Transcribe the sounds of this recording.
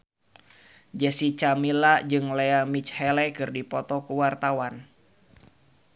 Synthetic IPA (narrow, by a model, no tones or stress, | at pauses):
d͡ʒɛsit͡ʃamilad͡ʒɨŋlɛamit͡ʃhɛlɛkɨrdipɔt̪ɔkuwart̪awan